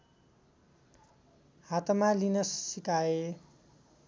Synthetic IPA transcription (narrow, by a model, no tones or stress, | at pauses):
hat̪ʌmalinʌsːikae